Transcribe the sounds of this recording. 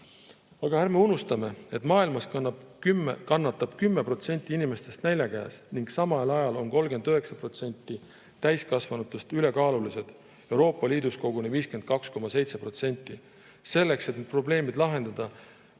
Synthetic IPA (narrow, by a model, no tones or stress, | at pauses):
ɑɡ̥ɑhærmeunust̪ɑme̞e̞t̪mɑːilmɑskn | kɑnːɑt̪ːˑɑb̥kymːe̞pro̞t̪se̞nʲt̪ːˑiinime̞st̪e̞st̪nælʲjɑkæj̰st̪niŋɡ̥sɑmɑlɑjɑlo̞nko̞lɡe̞nd̪øɦe̞ksɑpro̞t̪se̞nʲt̪ːˑi | t̪æjskɑsvɑnut̪ːˑust̪yle̞kɑːlulise̞d̪̥ | e̞wɾo̞ːpːˑɑliːd̪̥usko̞ɡ̥uneviːske̞nd̪̥̚kɑksko̞mɑse̞jt̪se̞pro̞t̪se̞nʲt̪ːˑi | se̞lːe̞kse̞t̪net̪pro̞ble̞ːmid̪lɑɦe̞nd̪ɑd̪̥ɑ